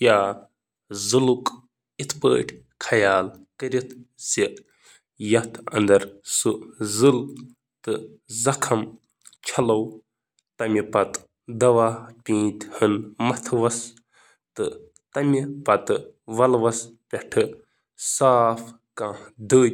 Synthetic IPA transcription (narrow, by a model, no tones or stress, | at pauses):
jaː | zɨluk | it̪ʰpə̰ːʈʰ | kʰɐjaːlkɐɾit̪ʰsi | jɐt̪ʰɐ̰nd̪ɐɾsɨzɨl | t̪ɨ | zɐkʰɐm | t͡ʃʰɐlɐw | t̪ɐmipɐt̪ | d̪ɐʋaːpʲĩːt̪ʲhɨnmɐt̪ʰʋɐs | t̪ɨ | t̪ɐmipɐt̪ɨʋɐlʋɐspʲɛʈʰɨ | saːf | kãːd̪əː